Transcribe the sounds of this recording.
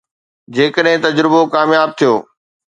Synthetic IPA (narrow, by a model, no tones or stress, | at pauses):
d͡ʑeːkəɗɦɪ̃t̪ɐd͡ʑɾɪbokaːmjaːb̚t̪ʰijo̰ː